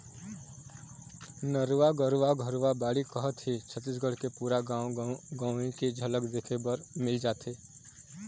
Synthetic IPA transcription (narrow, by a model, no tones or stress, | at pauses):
nəɾʋaɡəɾʋaɡʱəɾʋabaːɽikəɦət̪ɦit͡ʃʰət̪ːis̬ɡəɽ̤kepuːɾa | ɡaːẽked͡ʒʱələkd̪eːkʰebəɾmɪld͡ʒaːt̪eː